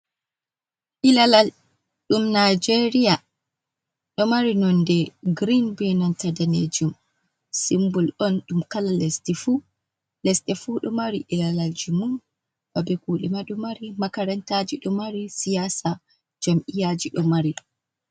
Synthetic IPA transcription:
ʔilalal | ɗumnajd͡ʒeɾija | ɗɔmaɾinɔndɛɡɾinbɛnɔntadaned͡ʒum | simbulɗɔnɗumkalalɛstifu | lɛsɗɛfuɗɔmaɾiʔilalald͡ʒumun | babɛkuːɗɛmaɗumaɾimakaɾɛntad͡ʒiɗɔmaɾisijasa | d͡ʒamʔijad͡ʒiɗɔmaɾi

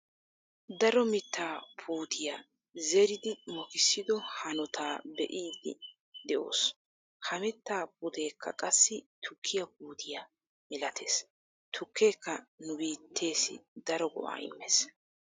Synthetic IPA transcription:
d̪ɐɾɔmɪt̪ːaːpʰuːd̪ɪja | zɛɾɪd̪ɪmɔkɪsːɪd̪ɔhɐnɔt̪ʰaːbɛ̰ʔiːd̪ɪ̰ | d̪ɛʔo̰ːs | hɐmɪt̪ːaːp̚ʊd̪e̞ːkʰːɐ̰kʼɐsːɪt̪ʰʊkʰːɪjɐp̚uːd̪ɪja | mɪlɐt̪ʰe̞ːs | t̪ʰʊkʰːe̞ːkːɐnʊbiːt̪ʰːe̞ːsɪ̰d̪ɐɾɔɡɔ̰ʔa̰ːɪ̰mːeːs

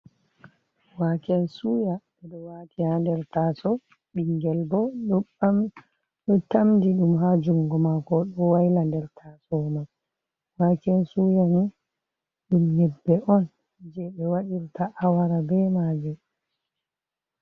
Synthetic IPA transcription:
wakɛnsujaɓɛɗɔwatihandɛɾtasɔ | ɓiŋɡɛlbɔɗɔam | ɗɔtamdiɗumɦad͡ʒuŋɡɔmakɔɗɔwajlandɛɾtʰasɔma | wakɛnsujani | ɗumjɛbːɛʔɔn | d͡ʒɛɓɛwaɗiɾtʰaʔawaɾabɛmaːd͡ʒu

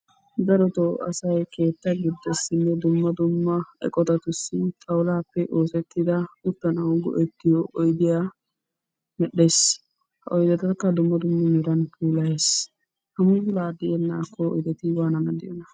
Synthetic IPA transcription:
d̪ɐɾɔt̪ɔɐ̰sɐjke̞ːt̪ːɐɡɪd̪ːɛsːɪnːɛd̪ʊmːɐd̪ʊmːɐɛ̰kʼɔt̪ɐt̪ʊsːɪt̪ʰɐwlaːpːɛʔo̞ːsɛt̪ːɪd̪ɐʊt̪ːɐnɐwɡɔ̰ʔɛt̪ːɪjɔʔɔjd̪ɪjaː | mɛɗeːs | hɐʔɔjd̪ɛt̪ɐkːɐd̪ʊmːɐd̪ʊmːɐmɪɾɐnpʰuːlɐjeːs | hɐmʊsʊlaːd̪ɪjɛnːaːkːɔɔ̰jd̪ɛt̪ɪwaːnɐnɐd̪ɪjɔnɐ

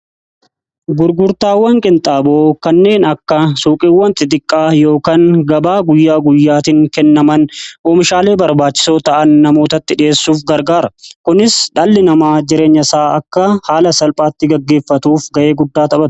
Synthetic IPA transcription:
ɡʊɾɡʊɾt̪aːwːɐŋkʼɪnt̪ʼaːboːkɐnːe̞ːnɐkːɐsuːkʼiːwːɐnt̪ɪt̪ɪkʼːaːjo̞ːkaːŋɡɐbaːɡʊjːaːɡʊjːaːt̪ɪŋkɛnːɐmɐnʔoːmɪʃaːle̞ːbɐɾbaːt͡ʃːɪ̥so̞ːt̪ɐʔɐnːɐmo̞ːt̪ɐt̪ːɪᶑɪeːsːuːfɡɐɾɡaːɾɐkʊnɪsᶑɐːlːɪnɐmaːd͡ʒɪɾe̞ːɲːɐsaːɐkːɐhaːlɐsɐlpʼaːt̪ːɪɡɐɡːe̞ːfːɐt̪uːfɡɐʔe̞ːɡʊd̪ːaːt̪ɐbɐt̪

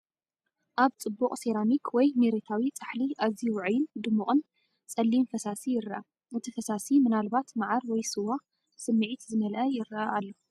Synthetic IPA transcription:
ʔaβt͡sʼɨbːuχʼseɾamikʰwɔjmeɾet̪ʰawit͡sʼaħliʔaziwʕɨjɪnd̪ɨmːuχʼɨn | t͡sʼɐlːinfɐsasijɪɾɐʔa | ʔɨt̪ʰifɐsasimɨnalbat̪maʕaɾwɔjsɨwa | sɨmːɨʕit̪zɨmɐlʔɐjɪɾɐʔɐʔalːo

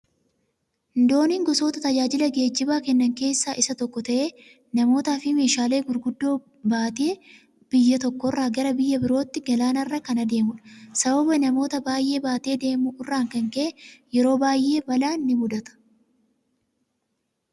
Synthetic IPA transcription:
ɪnd̪o̞ːniːŋɡɔso̞ːt̪ɐt̪ɐd͡ʒaːd͡ʒɪlɐɡe̞ːd͡ʒːɪbaːkɛnːɐŋke̞ːsːaːʔɪsɐt̪ɔkːɔt̪ɐʔeː | nɐmo̞ːt̪aːfɪme̞ːʃaːle̞ːɡʊɾɡʊd̪ːo̞ː | baːt̪ɪe | b̥ɪjːɐt̪ɔkːɔrːaːɡɐɾɐbɪjːɐbɪɾo̞ːt̪ːɪɡɐlaːnɐrːɐkɐnɐd̪e̞ːmʊᶑɐ̥sɐbɐbɐnɐmo̞ːt̪ɐbaːjʔe̞ːbaːt̪e̞ːd̪e̞ːmʊʔɪrːaːŋkɐŋkɐʔɛjɛɾo̞ːbaːjʔe̞ːbɐlaːnːɪmʊd̪ɐt̪ɐ̥

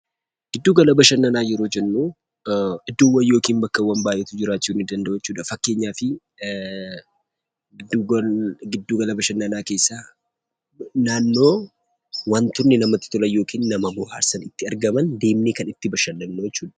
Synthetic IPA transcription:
ɡ̥ɪd̪ːuːɡɐlɐbɐʃɐnːɐnaːjɛɾo̞ːd͡ʒɛnːuː | ɪd̪ːuːwːɐjo̞ːkiːnbɐkːɐwɐnbaːjʔɛt̪ʊd͡ʒɪɾaːt͡ʃːuːnɪd̪ɐnd̪ɐʔoːjɛt͡ʃːuːᶑɐfɐkːe̞ːɲːaːfɪ | ɡɪd̪ːuːɡɐlɐbɐʃɐnːɐnaːkeːsːaː | naːnːo̞ː | wɐnt̪ʊɾnɪnɐmɐt̪ːɪ̥t̪ʊlɐjo̞ːkʰiːnːɐmɐbʊha̰ːɾsɐnɪt̪ːɪɐɾɡɐmɐnd̪e̞ːmneːkɐnɪt̪ːɪbɐʃɐnːɐnːojɛt͡ʃːuːᶑɐ̥

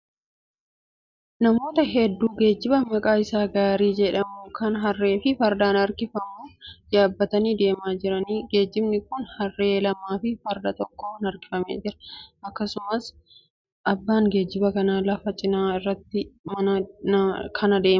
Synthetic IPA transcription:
nɐmo̞ːt̪ɐɦɛd̪ːuːɡe̞ːd͡ʒːɪbɐmɐkʼaːɪsaːɡaːɾiːd͡ʒɛᶑɐmʊkɐnɦɐrːe̞ːfɪfɐɾd̪aːnɐɾkɪfɐmuːd͡ʒaːbːɐt̪ɐniːd̪e̞ːmaːd͡ʒɪɾɐniːɡe̞ːd͡ʒːɪbnɪkʊnhɐrːe̞ːlɐmaːfɪfɐɾd̪ɐt̪ɔkːoːnɐɾkɪ̥fɐmḛːd͡ʒɪɾɐ̥ʔɐkːɐsʊmɐs | ʔɐbːaːŋɡe̞ːd͡ʒːɪbɐkɐnaːlɐfɐt͡ʃʼɪnaːɪrːɐt̪ːɪmɐnɐ | kʰɐnɐd̪e̞ːmɐ

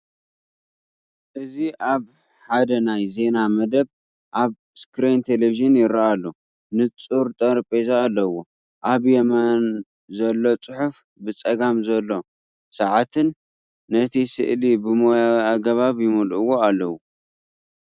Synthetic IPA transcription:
ʔɨziʔaβ | ħad̪ɐnajze̞namɐd̪ɐβ | ʔaβ | skɾent̪ʰeleviʒɨnjɪɾaʔalːo | nɨt͡sʼuɾt̪ʼɐɾpʼezaːlːɐwo | ʔaβjɛman | zɐlːo̞t͡sʼɨħuf | bɨt͡sʼɐɡamzɐlːo̞ | sɐʕat̪ʰɨnː | ɐt̪ʰisɨ̰ʔlibɨmojawiaɡɐβaβjɪmɐlʔɨwo̞alːɐwu

